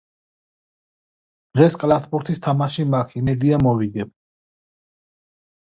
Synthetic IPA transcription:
d̪̥ʁɛskʼlˠasbuɾt̪ʰist̪ʰamaʃimakʰinɛɾd̪iamɔviɡɛb̚

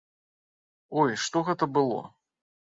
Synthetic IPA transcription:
ɔjʂt̪ɔɣɛt̪ɐbɨlˠɔ̰

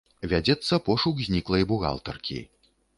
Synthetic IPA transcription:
vʲad͡zʲɛt̪sːɐpɔʂuɡzʲnʲiklˠɐjbuɣa̰lˠt̪ɐrkʲʰḭ

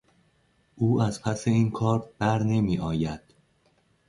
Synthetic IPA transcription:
ʔuːæzpʰæse̞iːnkʰɒːɾb̥æɾne̞miːʔɒːjæd̪̥

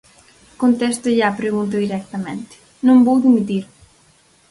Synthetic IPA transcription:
kont̪est̪eʎaːpɾeɣunt̪̬oðiɾɛk̚t̪amḛnt̪ | nõmbowd̪imit̪iɾ

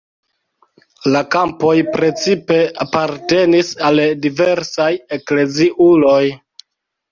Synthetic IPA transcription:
lakampo̞jpɾe̞t͡sipe̞apaɾte̞nisaldive̞ɾsaje̞kle̞ziʔulo̞j

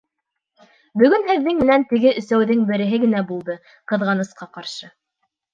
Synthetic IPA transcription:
bɵ̆ɡɵnhɘ̆ðːɘŋmɘ̆nænt̪ɘ̆ɡɘʔɵ̆sæwðɘŋbɘ̆ɾɘ̆ɦɘɡɘ̆næbulˠd̪ɤ | qɤ̆ðʁɑnɤ̆sqɑqɑɾʃɤ

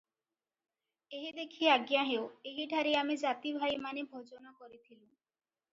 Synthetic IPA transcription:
eɦid̪ekʰieaɡjaɦeoeɦiɖʱaɾiamid͡ʑat̪ibʱajmanebʱod͡ʑonakoɾit̪ʰilu

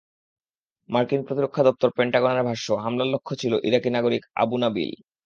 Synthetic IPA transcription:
maɾkinpɾot̪iɾokʰːad̪ɔp̚t̪oɾpeɳʈaɡonaɾbʱaɾʃoɦamlalːokʰːot͡ɕʰiloʔiɾakinaɡoɾika̰bunabḭl

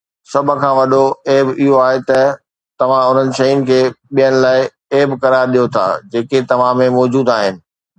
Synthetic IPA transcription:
sɐbʱkʰãːʋɐɗoeːbɪɦoaːɦet̪ɐ | t̪ɐʋ̤ãʊn̤ənɪ̆ʃɐjʊnɪ̆kʰeːɓijənɪ̆laːɪ | eːbkɐɾaːɾɗijot̪ʰa̰ːd͡ʑeːket̪ɐʋ̤ãmẽmɔːd͡ʑuːd̪aːɦɪnɪ̆

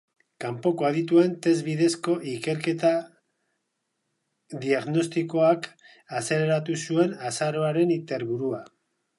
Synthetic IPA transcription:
kampo̞ko̞aðit̪ue̞nt̪e̞zβiðe̞sko̞ʔike̞ɾke̞t̪a | ðiaɣno̞st̪iko̞ak | ase̞leɾat̪usue̞nasaɾo̞aɾe̞nit̪e̞ɾβuɾua

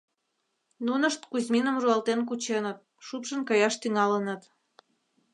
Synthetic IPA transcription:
nunəʃt̪kuzʲminəmruɑlt̪enk̬ut͡ɕenət̪̚ | ʃupʃənkɑjɑʃt̪yŋɑlənət̪

